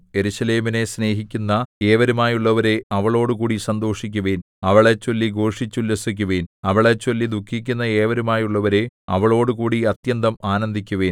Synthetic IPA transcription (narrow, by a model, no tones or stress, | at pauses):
e̞ɾuɕɐle̞ːmine̞sne̞ːɦikʲːunːɐe̞ːʋɐɾumaːjuɭːɐʋɐɾe̞ɐʋɐɭo̞ːɽukuːɽisɐnd̪o̞ːʂikʲːuʋeːn | ɐʋɐɭet͡ɕːo̞lːiɡo̞ːʂit͡ɕːulːesik̬ʲːuʋeːnɐʋɐɭet͡ɕːo̞lːid̪ukʰːik̬ʲːunːɐeːʋɐɾumaːjuɭːɐʋɐɾe̞ɐ̰ʋɐɭo̞ːɽukuːɽiɐt̪jɐnd̪ɐmaːnɐnd̪ʱikʲːuʋeːn